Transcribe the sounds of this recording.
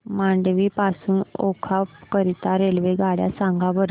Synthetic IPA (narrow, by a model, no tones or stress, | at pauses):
maɳɖʋipasuːno̰kʰakəɾit̪aɾelʋeɡaɽja̰sãŋɡabəɾ